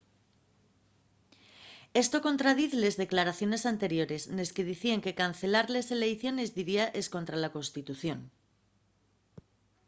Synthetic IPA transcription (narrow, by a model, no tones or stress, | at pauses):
e̞st̪o̞ko̞nt̪ɾað̞iθele̞zðe̞klaɾaθjo̞ne̞sant̪e̞ɾjo̞ɾe̞sne̞ske̞ðiθieŋke̞kanθe̞laɾle̞se̞le̞jθjo̞ne̞zðiɾiaʔe̞sko̞nt̪ɾalako̞nst̪it̪uθjo̞n